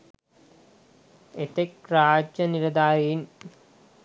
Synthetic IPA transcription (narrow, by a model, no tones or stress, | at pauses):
et̪ekraːd͡ʒːɐniɾɐd̪aːjen